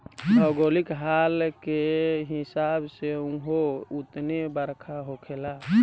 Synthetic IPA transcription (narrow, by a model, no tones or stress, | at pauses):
ɔɡoːlikɦaːlkeɦɪsabseũɦoʊt̪nebəɾkʰaɦokʰela